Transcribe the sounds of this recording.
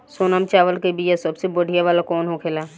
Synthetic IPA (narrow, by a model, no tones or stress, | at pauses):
soːnamt͡ʃaːʋəlkebijasɐbsebəɽ̤ʱijaʋaːlakɔːnɦokʰeːlaː